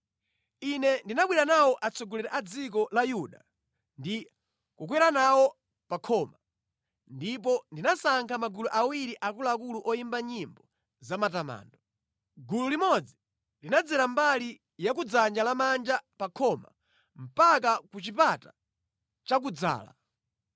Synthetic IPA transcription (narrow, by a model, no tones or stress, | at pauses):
inɛndinaɓwiɾanawɔʔat͡sʰɔɡɔlɛɾɛʔad͡zik̬ɔlajuɗa | ndi | kukwɛɾanawɔ | pakʰɔma | ndipɔndinasaŋkʰamaɡuluʔawiɾiʔakulak̬uluʔɔjimbaɲimbɔ | zamatama̰ːndɔ | ɡululimɔd͡zi | linad͡zɛɾambali | jak̬ud͡zand͡ʒalamand͡ʒapakʰɔma̰ | m̩pak̬akut͡ʃipata | t͡ʃak̬ud͡za̰ːla̰